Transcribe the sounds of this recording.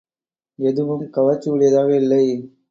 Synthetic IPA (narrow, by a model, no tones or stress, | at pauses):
ɛðɯʋɯmkɐʋɐt͡ʃːɯʋɯɽɪjɐðaːɣeːɪlːɐɪ